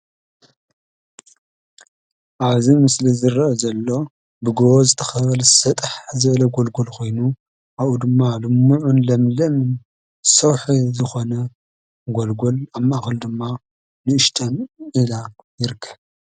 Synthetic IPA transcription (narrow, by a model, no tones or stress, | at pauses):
ʔaβzimɨslizɨɾɐʔɐzɐlːo̞ | bɨɡowozɨt̪ʰɐ̥xɐβɐlsɐt̪ʼɨħzɨβlɐɡolɡolkʰo̞jnu | ʔaβʔud̪ɨmːalɨmːuʕunlɐmlɐm | sɐwħizɨxo̞nɐ | ɡolɡolamːaxɐld̪ɨmːa | nɨʔɨʃt̪ʼɐmila | jɪɾkʰːɐβ